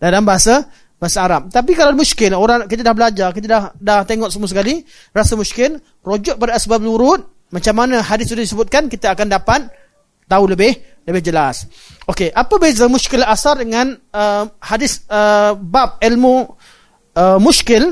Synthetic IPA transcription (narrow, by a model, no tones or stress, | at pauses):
dalambaɦasa | baɦasaːɾap̚t̪ap̬ikalawmuʃkɪloɾaŋkit̪adahbəlad͡ʒarkit̪̬adahdaht̪eŋɔʔsamuasəkali | rasamuskɪl | rod͡ʒɔt̪̚padaəsbap̚luɾʊt̪̚ | mãt͡ʃamːanãɦadɪsudahdisəbʊt̪̚kankit̪aːkandapat̪̚ː | auləbɪhləbɪhd͡ʒəlas | okeʔapabezəmuʃkɪlasardəŋãnəhadɪsəbap̚ilmu | əmuskɪl